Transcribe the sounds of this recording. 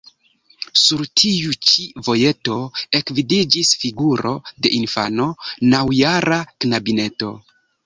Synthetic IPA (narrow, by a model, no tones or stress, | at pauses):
suɾtʰiut͡ʃivo̞je̞to̞e̞kvidid͡ʒisfiɡuɾo̞̰de̞ʔinfa̰no̞nawjaɾaknabine̞to̞̰